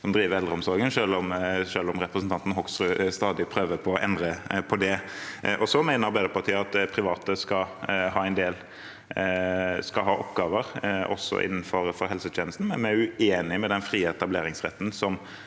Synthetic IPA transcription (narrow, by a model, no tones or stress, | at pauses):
sɔmd̪ɾiːʋəɾɛlɾəɔmsɔɾɡənʃøːlɔmʃøːlɔmɾɛpɾəsn̩t̪ʰɑnt̪n̩ɦɔksɾʉst̪ɑːd̪ɪpʰɾøːʋəpʰɔɔʔɛnd̪ɾəpʰɔd̪ɛʔɔsɔmæɪnəɾbeːd̪əɾpʰɑt̪ʰiːəɑt̪̚pʰɾɪʋɑːt̪əskɑɦɑːɛnd̪eːl | skɑɦɑːʔɔpɡɑːʋəɾɔ̰sɔ̰ʔɪ̰nːn̩fɔɾfɔɾɦɛlsət̪ʰjeːnəlst̪n̩mɛ̰nmæʉeːnɪmɛd̪ɛnfɾiːəɛt̪ɑbleːɾɪŋsʁɛ̰t̪ːnsɔm